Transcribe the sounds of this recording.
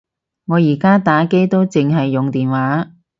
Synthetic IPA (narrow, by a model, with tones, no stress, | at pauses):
ŋɔː˨˧jiː˨˩kaː˥t̪aː˨˥ke˥jt̪o˥wt͡sɪ˨ŋɦɐ˨jːʊ˨ŋt̪iː˨nwaː˨˥